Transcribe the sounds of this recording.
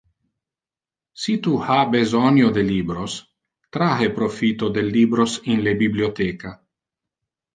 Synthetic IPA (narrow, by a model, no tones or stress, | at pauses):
sit̪uhabezɔnjod̪eliːbɾos | t̪ɾaɦepɾofit̪od̪elːiːbɾosinlebibliot̪ɛːka